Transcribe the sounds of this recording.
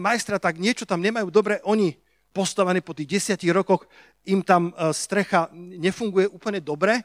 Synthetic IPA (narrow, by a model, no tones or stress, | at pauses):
majst̪ɾat̪aɡɲɪɛt͡ʃɔt̪amɲɛmajuːd̪ɔbɾɛʔɔɲi | pɔst̪aʋɛnɛːpɔt̪iːɣɟɛsɪaciɣɾɔkɔx | imt̪amst̪ɾɛxaɲɛfuŋɡujɛʔuːpl̩ɲɛd̪ɔbɾɛ